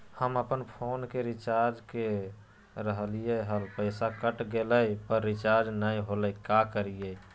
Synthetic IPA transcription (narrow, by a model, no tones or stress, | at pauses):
həməpənpʰonkeɾit͡ʃaɾd͡ʒke | ɾəɦlijəɦəlpəɪsakəʈɡeləjpəɾːit͡ʃaɾd͡ʒnajɦoləkakəɾijə